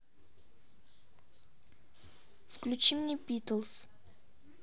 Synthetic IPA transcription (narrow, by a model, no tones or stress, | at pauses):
fklʲut͡ɕimnʲebʲit̪əlˠs